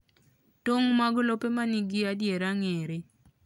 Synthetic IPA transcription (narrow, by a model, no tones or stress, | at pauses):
toŋmaɡlopemaniɡɪadjeɾaŋeɾe